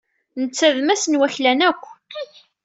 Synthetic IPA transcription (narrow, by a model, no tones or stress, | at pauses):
nət͡sːæðmæsənwæçlænækʷː